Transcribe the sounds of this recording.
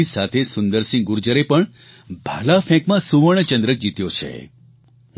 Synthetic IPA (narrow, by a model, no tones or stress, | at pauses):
isat̪ʰesʊnd̪əɾsĩŋɡuɾd͡ʒəɾepəɳ | bʱalafɛ̃kmãsuʋəɳ̃ət͡ʃənd̪ɾək̚d͡ʒit̪jot͡ʃʰḛ